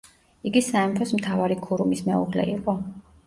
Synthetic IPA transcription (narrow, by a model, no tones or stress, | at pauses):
iɡisaɛmpʰɔsmt̪ʰavaɾikʰuɾumismɛuʁlɛ̰iqʼɔ